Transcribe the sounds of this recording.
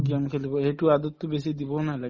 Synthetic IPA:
ɡiamkʰelibɔejtuad̪ɔt̪ːubesid̪ibɔnala

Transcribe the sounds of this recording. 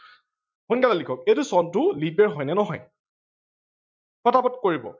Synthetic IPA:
hunkalalikʰɔk̚ejtusɔntʊlibɛɹɦɔjnɛnɔɦɔj | xɔtapɔtkoɹibɔ̰

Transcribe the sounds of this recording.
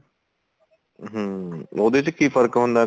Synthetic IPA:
ɦəod̪et̪ekiːfəɾkɦʊ̃nd̪a

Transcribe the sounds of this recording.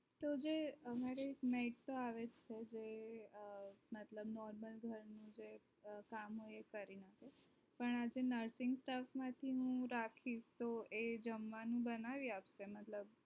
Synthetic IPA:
t̪od͡ʒeəmaɾeːkmeiʈ̚t̪oaʋed͡ʒt͡ʃʰed͡ʒe | mət̪ləbnɔɾməlɡʱəɾnũd͡ʒe | kamɦojekəɾinake | pəɳad͡ʒenəɾsɪŋɡsʈafmãt̪ʰiɦũɾakʰiʃt̪oed͡ʒəmʋanũbənaʋiapʃemət̪ləb

